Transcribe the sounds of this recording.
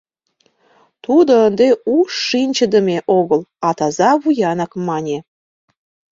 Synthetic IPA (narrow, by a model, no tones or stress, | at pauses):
t̪ud̪əənd̪euʃːinʲt͡ɕəd̪əmʲeʔoɣəlɑt̪ɑzɑβujɑnɑkmɑnʲe